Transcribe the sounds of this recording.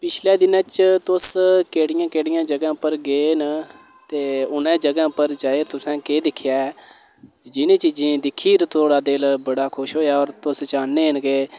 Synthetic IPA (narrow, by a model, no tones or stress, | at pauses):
pɪt͡ʃʰlɛːd̪ɪnãːt͡ʃt̪ʊskeːɽɪjãːkeːɽɪjãːd͡ʒəɡãːpəɾɡeːn | t̪eːʊnɛ̃ːd͡ʒəɡãːpəɾt͡ʃaːeːɾt̪ʊsɛ̃ːkeːd̪ɪkʰjaː | d͡ʒɪnẽːt͡ʃiːd͡ʒĩːd̪ɪkʰːiːɾt̪oːɽaːd̪elbəɽaːkʰʊʃɦoːjaːɔːɾt̪ʊst͡ʃaːnːeːnɡeː